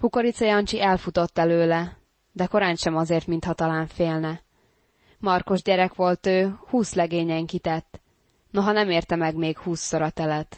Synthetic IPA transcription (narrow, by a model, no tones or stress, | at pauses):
hukoɾit̪sɒjɒnt͡ʃiʔɛlfut̪o̞t̪ːɛløːlɛ | d̪ɛko̞ɾaːnʃɛmɒzeːrt̪mint̪hɒt̪ɒlaːɱfeːlnɛ | mɒrko̞ʒɟɛɾɛkʋo̞lt̪øːhuːslɛɡeːɲɛŋkit̪ɛt̪ː | no̞ɦɒnɛmeːrt̪ɛmɛɡmeːkhuːsːoɾɒt̪ɛlɛt̪